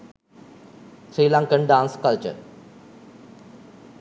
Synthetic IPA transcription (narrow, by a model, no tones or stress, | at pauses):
t̪ɾiːlãːŋkəɳɖãːnskɐlt͡ɕə̰ɾ